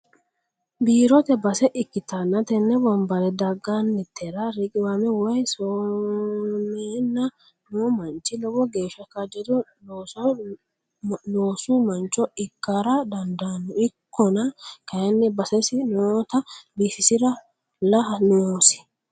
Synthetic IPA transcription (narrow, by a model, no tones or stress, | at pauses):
biːɾɔt̪ɛbɐsɛʔɪkːɪt̪ɐnːɐt̪ɛnːɛbɐmbɐlɛd̪ɐɡanːɛt̪ʰːɛɾɐɾɪkʼɪwamɛwɔjso | neːnːɐ | nʊɔmɐnt͡ʃːɪlɔwɔɡe̞ːʃːɐkɐd͡ʒɛd̪ɔ | os | noːsumɐnt͡ʃːɔɪkːaɾɐd̪ɐnd̪anːʊɪkʰːɔnɐkɐjɐnːɛbɐsɛsɪnot̪ɐbisɪsɪɾɐ | lɐɐnʊoːsɪ̥